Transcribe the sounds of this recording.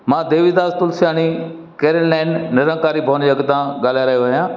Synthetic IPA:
mãːd̪eːʋɪd̪aːzt̪ʊlsɪjaːñi | keːɾənlɛ̃ːɳɖːɐɾə̃ːkaːɾibʱoːnd͡ʑeɐɡt̪ãɡaːl̤jaɾɐɦjoʋɐɦijãː

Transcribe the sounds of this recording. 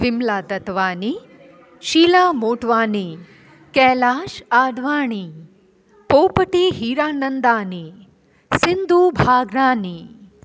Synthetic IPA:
ʋɪmlaːd̪ɐt̪ʋaːni | ʃiːlaːmoːʈʋaːni | kɛːlaːʃaːd̪ʱʋaːɳ̃i | poːpəʈiːɦiːɾaːnənd̪aːni | sɪnd̪ʱuːbʱaːɡnaːniː

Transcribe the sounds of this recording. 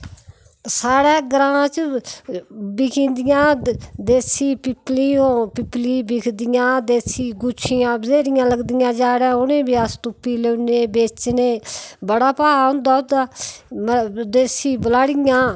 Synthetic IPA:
saːɾɛːɡɾãːt͡ʃ | bɪkʰĩːnd̪ɪjãːd̪eːsiːpɪplijõːpɪpliːbɪkʰd̪ɪjãːd̪eːsiːɡʊt͡ʃʰɪjãːbzeːɾɪjãːləɡd̪ɪjãːd͡ʒaːɾãːʊneːbɪaːst̪ʊpːiːleːneːbeːt͡ʃneːbəɽaːpaːond̪aːʊd̪aːmd̪eːsiːbəlaːɽɪjãː

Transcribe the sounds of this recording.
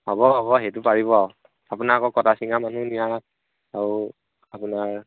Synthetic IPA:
hɔbɔɦɔbɔɦejt̬ʊpaɹibɔaw | apunaɹakɔkɔtasiŋamanunija | aɹu | apunaɹ

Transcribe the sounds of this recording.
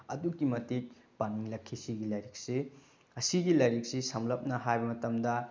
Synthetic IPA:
ɐdukːimɐtik̚ | paniŋlɐkʰːisiɡilɐjɾik̚si | ɐsiɡilɐjɾik̚sisɐmlɐp̚nɐhajbɐmɐtɐmdɐ

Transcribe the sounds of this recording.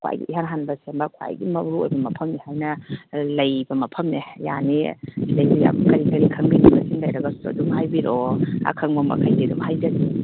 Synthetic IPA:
kwa̰jɡḭʔiɦanɦanbɐsembɐkʰwa̰jɡimɐbɾuojbɐmɐpʰɐmnihajnɐlɐjbɐmɐpʰɐmneja̰nilajbija̰mkɐɾikɐɾikʰɐŋbidibɐsinlajɾɐɡɐsuɐ̰dumhajbiɾoa̰kʰɐŋbɐmɐ̰kʰajdidumhajd͡ʒɐɡi

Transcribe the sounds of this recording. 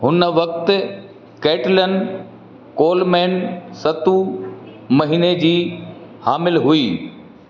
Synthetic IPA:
ɦʊnʋɐk̚t̪ | keːʈlən | koːlmɛːnsɐt̪u | mɐɦiːned͡ʑiːhaːmɪlɦʊiː

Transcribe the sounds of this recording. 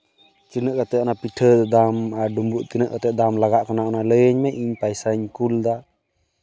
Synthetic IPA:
t̪inəʔkat̪ɛɔnapiʈʰəd̪d̪amaɾɖumbuʔt̪inəʔkat̪ɛd̪amlaɡaʔkanaʔanaləjəɲmɛʔiɲpajsaɲkuld̪a

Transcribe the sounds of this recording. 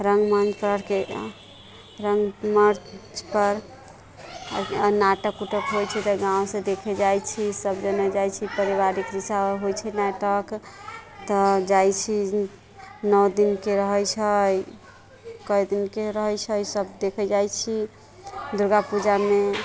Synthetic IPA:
ɾəŋɡmand͡ʒpəɾəɽke | ɾəŋɡməɾd͡ʒpəɾ | naʈəkːuʈəkɦojt͡ʃʰɛt̪ɔɡãw̃sẽd̪ekʰɛd͡ʒajt͡ʃʰisəbd͡ʒənəd͡ʒajt͡ʃʰipəɾibaɾikɾisaɦojt͡ʃʰɛnaʈək | t̪ɔd͡ʒajt͡ʃʰi | nɔwd̪inkeɾəɦɛjt͡ʃʰəj | kəjd̪inkeɾəɦɛjt͡ʃʰəjsəbd̪ekʰɛd͡ʒajt͡ʃʰi | d̪uɾɡapud͡ʒame

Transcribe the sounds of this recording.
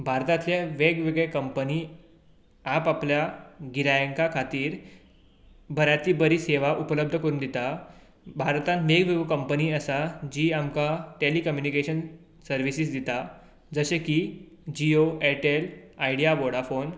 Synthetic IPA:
bʱaɾt̪ãt̪laʋeɡʋeɡɭekəmpəniː | apapljaɡiɾajəŋkakʰat̪iːɾ | bʱəɾat̪iːbəɾiːseʋaʔupələb̚d̪ʱəkəɾuːnd̪it̪a | bʱaɾt̪ãnmeɡʋeʋəkəmpəniːəsad͡ʑiːamkaʈelikəmjunikeɕən | səɾʋisiːsd̪it̪a | d͡zəɕekiː | d͡ʑioeʈelaiɽijaboɽafon

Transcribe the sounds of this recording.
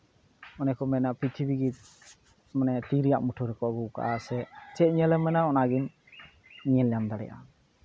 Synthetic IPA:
ɔnɛkɔmɛnapɾit̪ʰibiɡit̪̚ | manɛt̪iɾijaʔmuʈʰɔɾɛkɔɡuka̰ʔasɛt͡ʃɛʔ̚ɲɛlɛmɛnaɔnaɡin | ɲɛlɛjamd̪aɽɛ̰jʔa̰

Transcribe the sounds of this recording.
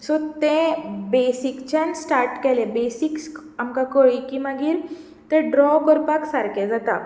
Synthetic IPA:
sot̪ẽbesikt͡ɕãnsʈaɾʈkɛlebesiks | amkakoɭikimaɡiɾ | t̪ẽɖɾɔkɔɾpaksaɾked͡zat̪a

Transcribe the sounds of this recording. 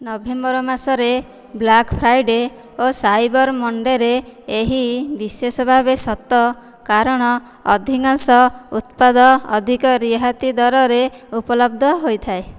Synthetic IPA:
nɔbembɔɾɔmasɔɾe | blakpʰɾajɖe | osajbɔɾmɔɳɖeɾeːɦibisesɔbʱabesɔt̪ɔ | kaɾɔɽ̃ɔː | d̪ʱikansɔut̪pad̪ɔ̰ːd̪ʱikɔɾiɦat̪id̪ɔɾɔɾeupɔlɔb̚d̪ʱɔɦojt̪ʰae

